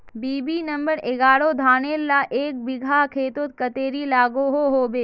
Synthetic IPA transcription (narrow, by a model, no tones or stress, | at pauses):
biːbiːnɐmbəɾɪɡaːɽod̪ʱaːneːlːaːʔeːk̚bɪɡʱakʰeːt̪ot̪̚kɐt̪eːɾilaːɡoɦoɦoːbeː